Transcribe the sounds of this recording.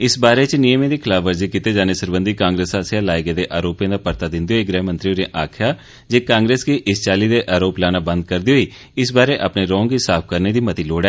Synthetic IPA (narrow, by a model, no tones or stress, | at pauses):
ɪsbaːɾeːt͡ʃnijəmẽːd̪iːkʰɪlaːfʋəɾziːkit̪eːd͡ʒaːneːsəɾbənd̪iːkãːŋɡɾeːsaːsɪjaːlaːeɡeːd̪eːʔaːɾoːpjãːd̪aːpəɾt̪aːd̪ɪ̃nd̪eoiːɡɾɛːmənt̪ɾiːoːɾẽʔaːkʰjaː | d͡ʒeːkãːŋɡɾeːskiːʔɪst͡ʃaːliːd̪eːʔaːɾoːplaːnaːbə̃nd̪̚kəɾd̪iɦoːiː | ɪs̬baːɾeːʔa̰pneːɾɔ̃ːŋɡisaːpʰkəɾneːd̪iːmət̪iːloːɽɛː